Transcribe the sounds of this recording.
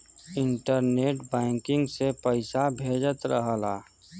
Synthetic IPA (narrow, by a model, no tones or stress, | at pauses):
ɪɳʈəɾneːʈbɛ̃ːŋkɪ̃ŋɡsepəɪsabʱeːd͡ʒət̪ɾəɦəla̰ː